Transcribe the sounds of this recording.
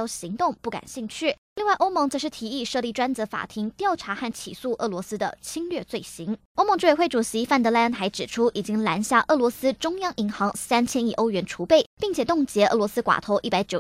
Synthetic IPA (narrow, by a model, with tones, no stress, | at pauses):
ɕi˧˥ŋt̪ʊ˥˧ŋpu˥˩ka̰˨˩nɕi˥˧ŋt͡ɕʰy˥˩li˥˧ŋwa˥˩ʔo˥ʊm˧˥ŋt͡sɤ˧˥ʂɻ̩˥˩t̪ʰi˧˥i˥˧ʂɤ˥˧li˥˩ʈ͡ʂwa˥nt͡sɤ˧˥fa̰˨˩t̪ʰi˧˥ŋt̪jɑ˥˩ʊʈ͡ʂʰa˧˥xa˥˩nt͡ɕʰḭ˨˩su˥˧ʔɤ˥˩lwɔ˧˥sɹ̩˥d̪ə̰˨t͡ɕʰi˥ŋlɥɛ˥˧t͡swe˥˩ɪɕi˧˥ŋ | o˥ʊmɤ˧˥ŋʈ͡ʂo˥˩˧xwe˥˩ɪʈ͡ʂu˨˩ɕi˧˥fa˥˩nt̪ɤ˧˥la˥ə˥nt̪ʰa˧˥ɪʈ͡ʂɻ̩˨˩ʈ͡ʂʰu˥ʔi˨˩t͡ɕi˥ŋla˧˥nɕja˥˧ʔɤ˥˩lwɔ˧˥sɹ̩˥ʈ͡ʂʊ˥ŋjɑ˥ŋʔi˧˥ŋxɑ˧˥ŋsa˥nt͡ɕʰjɛ˥ni˥˩ʔo˥ʊɥɛ˧˥nʈ͡ʂʰu˧˥pe˥˩ɪpi˥˩ŋt͡ɕʰjɛ˨˩t̪ʊ˥˩ŋt͡ɕjɛ˧˥ʔɤ˥˩lwɔ˧˥sɹ̩˥kwa̰˨˩t̪ʰo˧˥ʊʔi˥˩pa˧˥ɪt͡ɕjo˨˩